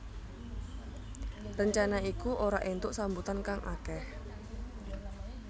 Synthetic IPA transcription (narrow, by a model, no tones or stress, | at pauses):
rəɲt͡ʃanaikuʔoɾaʔent̪ʊʔsambut̪ankaŋʔa̰kɛh